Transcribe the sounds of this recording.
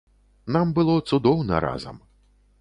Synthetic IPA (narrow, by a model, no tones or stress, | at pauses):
nambɨlˠɔt̪sud̪ɔwnɐ̰ɾa̰zɐ̰m